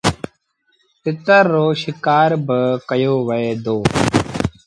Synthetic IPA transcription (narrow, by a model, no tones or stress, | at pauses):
pɪt̪əɾːoːʃɪkaːɾbəkəjoːʋəeːd̪oː